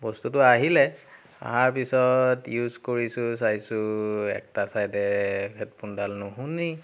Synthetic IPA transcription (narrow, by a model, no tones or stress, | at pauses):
bɔstutʊaɦilɛ | a̰ɦaɹpisɔtjuzkoɹisʊsajsʊɛ̰k̚tasajdɛpʰɛt̚pundalnʊɦuni